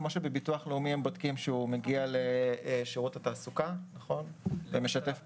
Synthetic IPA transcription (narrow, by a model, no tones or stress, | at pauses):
mo̞ʃebebituaχleumiembodkimʃeumeɡialeʃiʁutataːsukanaχo̞nvemeʃatef